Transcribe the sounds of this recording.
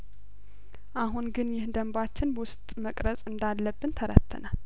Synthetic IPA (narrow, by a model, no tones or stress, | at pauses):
ʔaɦunɡɨnjɪhd̪əmbat͡ʃːɪnbwʊst̪ʼməkʼɾət͡sʼɨnd̪alːəbːɨnt̪ʰəɾə̰t̪ʰːə̰nal